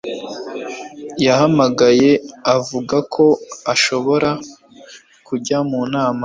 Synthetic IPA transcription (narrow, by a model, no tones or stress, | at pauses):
jahamaɡaje̞avuɡakʰo̞aʃo̞βo̞ɾa | kuɟamunaːma